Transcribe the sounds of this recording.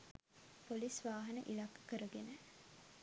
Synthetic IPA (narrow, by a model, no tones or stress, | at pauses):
polisʋaːɦɐnəʔilakːə̥kəɾəɡenə